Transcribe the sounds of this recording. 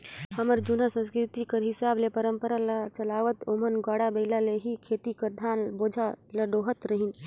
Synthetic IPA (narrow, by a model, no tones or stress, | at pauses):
həməɾd͡ʒunasə̃nskɾɪt̪ikəɾɦɪsaːblepəɾəmpəɾalat͡ʃəlaːʋət̪oːmənɡwaːɽabəɪlaleɦikʰeːt̪ikəɾd̪ʱaːnboːd͡ʒʱaləɖoːɦət̪ɾəɦin